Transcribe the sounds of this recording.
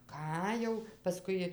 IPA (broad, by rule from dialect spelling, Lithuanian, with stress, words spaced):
ˈkɑː jɛʊ pɐˈskʊɪ